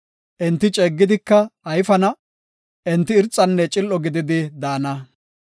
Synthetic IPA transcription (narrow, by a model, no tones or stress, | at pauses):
ʔɛnt̪ːɪt͡ʃʼɛːɡːɪd̪ɪkːɐɐjfɐnɐ | ʔɛnt̪ːɪːɾt͡sʼːɐnːɛt͡ʃʼɪlʔɔɡɪd̪ɪd̪ɪd̪aːnɐ